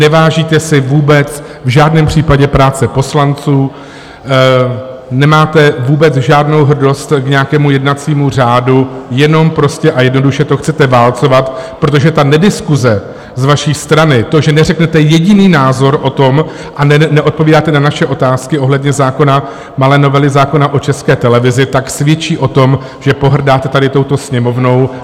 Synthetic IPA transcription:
nɛvaːʒiːt̪ɛsɪvuːbɛt͡s | vʒaːdnɛːmpr̝̥iːpaɟɛpɾaːt͡sɛpo̞slant͡suː | nɛmaːt̪ɛvuːbɛt͡sʒaːdno̞wɦr̩do̞st̪kɲɛakɛːmujɛdnat͡siːmur̝aːdujɛno̞mpɾoscɛʔajɛdno̞duʃɛt̪o̞xt͡sɛt̪ɛvaːlt͡so̞vat̪pɾo̞t̪o̞ʒɛt̪anɛdɪskuzɛ | zvaʃiːst̪ɾanɪt̪o̞ʒɛnɛrɛknɛt̪ɛjɛɟɪniːnaːzo̞ɾʔo̞t̪o̞m | ʔanɛnɛʔo̞t̪̚po̞viːdaːt̪ɛnanaʃɛʔo̞t̪aːskɪʔo̞ɦlɛdɲɛzaːko̞na | malɛːno̞vɛlɪzaːko̞naʔo̞t͡ʃɛskɛːt̪ɛlɛvɪzɪt̪aksvjɛt͡ʃiːʔo̞t̪o̞m | ʒ̥ɛpo̞ɦr̩daːt̪ɛt̪adɪt̪o̞wt̪o̞sɲɛmo̞vno̞w

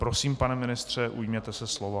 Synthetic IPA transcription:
pɾosiːmpanɛmɪnɪst̪r̝̥ɛʔujmɲɛt̪ɛsɛslova

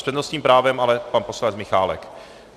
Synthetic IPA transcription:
srɛd̪nost̪ɲiːmpɾaːvɛmalɛpanposlant͡smɪxaːlɛ̰k

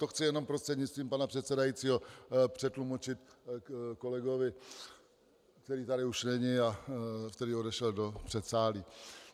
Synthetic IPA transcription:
t̪oxt͡sɪjɛno̞mpɾost̪r̥ɛd̪ɲɪtt͡st̪viːmpanapr̥ɛt̪sɛdajit͡siːɦo̞pr̝̥ɛt̪lumot͡ʃɪt̪ | ko̞lɛɡo̞vɪ | kt̪ɛɾiːt̪aɾɪuʃnɛɲɪaft̪ɛdɪo̞dɛʃɛldo̞pr̝̥ɛt̪saːli

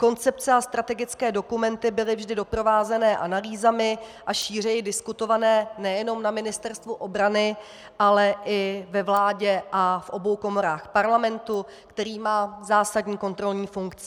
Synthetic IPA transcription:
ko̞nt͡sɛp̚t͡sɛast̪ɾat̪ɛɡɪt͡skɛːdo̞kumɛnt̪ɪbɪlɪvʒdɪdo̞pɾo̞vaːzɛnɛːʔanaliːzamɪʔaʃiːr̝ɛjɪdɪskut̪o̞vanɛːnɛjɛno̞mnamɪnɪst̪ɛɾst̪vuʔo̞bɾanɪ | ʔalɛʔɪvɛvlaːɟɛʔafʔo̞bo̞wko̞mo̞ɾaːxpaɾlamɛnt̪u | kt̪ɛɾiːmaːzaːsadɲiːko̞nt̪ɾo̞lɲiːfuŋkt͡sɪ

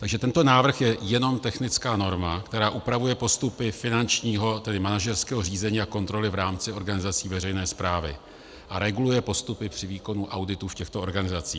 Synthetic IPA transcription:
t̪aɡʒɛt̪ɛnt̪o̞naːvr̩xjɛjɛno̞mt̪ɛxnɪt͡skaːno̞ɾmakt̪ɛɾaːʔupɾavujɛpo̞st̪upɪfɪnant͡ʃɲiːɦo̞t̪ɛdɪmanaʒɛrskɛːɦor̝iːzɛɲiːako̞nt̪ɾo̞lɪvɾaːmt͡sɪo̞ɾɡanɪzat͡siːvɛrɛjnɛːspɾaːvɪ̰ | ʔaɾɛɡulujɛpo̞st̪upɪpr̝̥ɪviːko̞nuʔawdɪt̪uːfcɛxt̪oo̞ɾɡanɪzat͡sḭː

